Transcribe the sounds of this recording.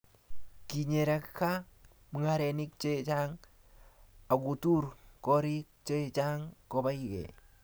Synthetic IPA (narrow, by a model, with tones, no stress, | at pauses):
ki˨ɲe˨ɾa˨kkːa˦ | mi˨˦ŋa˦ɾɛ˨ni˦k̚t͡ʃe˦˨t͡ʃa˦ŋ | a˨ɡu˨tu˦ɾkɔ˦ɾi˦k̚t͡ʃe˦˨t͡ʃa˦ŋkɔ˨ba˦i˨ɡɛ̰˨